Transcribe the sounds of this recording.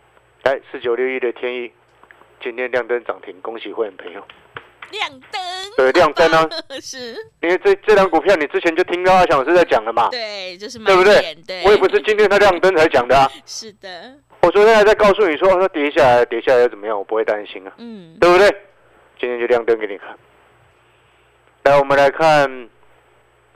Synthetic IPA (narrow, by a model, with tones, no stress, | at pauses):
la˧˦ɪs̩˧˩t͡ɕjo˨˩ljo˥˧ʊi˥˩d̪ə˨t̪ʰjɛ˥ni˥˩ | t͡ɕi˦nt̪ʰjɛ˥n˧ljɑ˥˧˨ŋt̪ə˦nt͡sɑ̰˨˩ŋt̪ʰi˨˥ŋko˧˦ŋɕi˧˨xwe˥˩ɪhə˨npʰə˧˦ŋjo˨˩ʊ | we˥˧de˧lja˥˧ŋt̪ə˦na˧ | ni˨˦t͡st͡sə˥˨ja˧˦ŋku˨˩pʰjɑ˥˨ʊni˨˩t͡sɹ̩˦˥t͡ɕʰjɛ˧˦nt͡ɕjo˥˧ʊt̪ʰi˦˥ŋt̪a˥˨a˥ɕjɑ˨˩ŋ˨˩ʂ̩ɻ̩˥˧t͡sa˥˩ɪt͡ɕja˨˩ŋd̪ə˩ma˨ | we˥˩bu˧d̪we˥˩ɪwɔ˧˦jɛ˨˩pu˧˦ʂ̬ɻ̩˥˩t͡ɕi˥nt̪ʰjɛ˥nt̪ʰa˦ljɑ˥˨ŋt̪ə˥nt͡sʰa˧˥ɪ˧t͡ɕjɑ˨˩ŋd̪ə˩a˨˩ | wɔ˨˩swɔ˧˥t̪ʰjɛ˥la˧˥ɪt͡sa˥˧ɪkɑ˥˧ʊsu˥˨ni˨˩s̬wɔ˥˦o˥˧˩t̪a˥t̪jɛ˧˥i˧˦ɕja˥˩la˧ɪ˧t̪jɛ˧˥˦ɕja˥˩ljt͡sə˨˩mə˦jɑ˥˩ŋwpu˦we˥˩ɪt̪a˦nɕḭ˦˥na˨t̪we˥˩bu˨t̪we˥˩ | t͡ɕĩ˥nt̪ʰjnt͡ɕo˥˧jɑ˥˨ŋt̪ə˦nke˧˦ni˨˩kʰa˥˩n | na˧˥˩nwɔ˨˩mə̃˨nla˧˦ɪkʰa˥˧n